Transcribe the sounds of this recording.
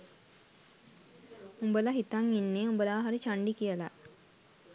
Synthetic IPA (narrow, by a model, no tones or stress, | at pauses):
umbəlaɦit̪aŋinːeːumbəlaʋaɦaɾit͡ʃaɳɖikijəla̰